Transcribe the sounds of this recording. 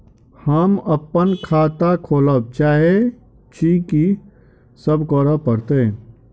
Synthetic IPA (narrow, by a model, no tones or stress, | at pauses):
həməpːənkʰaːt̪akʰoːləb̚t͡ʃaːɦe | t͡ʃiki | səbkɔɾəpəɾt̪ẽ